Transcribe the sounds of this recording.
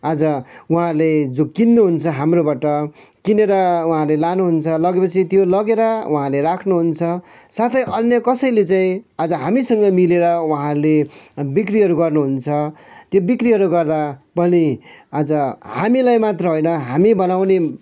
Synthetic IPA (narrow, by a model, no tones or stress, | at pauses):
ad͡zʌwuɦãled͡zokinːuɦunt͡sʰʌɦamrobaʈʌ | kineɾʌwuɦãlelanuɦunt͡sʰʌlʌɡepʌt͡sʰit̪jolʌɡeɾʌwʔuɦãleɾakʰnuɦunt͡sʰʌsat̪ʰʌjʔʌnjʌkʌsʌjlet͡saĩad͡zʌɦamisʌŋɡʌmileɾʌwuɦãlebikriɦʌɾuɡʌrnuɦunt͡sʰʌt̪jobikriɦʌɾuɡʌrd̪apʌniad͡zʌhamilajmat̪rʌɦojnʌɦamibʌnawne